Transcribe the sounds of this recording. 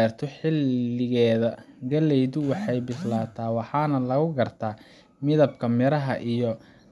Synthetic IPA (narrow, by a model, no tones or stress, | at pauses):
rt̪ʰɔħɪlːɪɣɛːðɐɡɐlɛjðʊwɑħɑjbɪslaːt̪ʰaːwɑħɑːnɐlɐɣʊɡɐrt̪ʰaː | mɪðɐbkʰɐmɪɾɐɦɐʔijɔ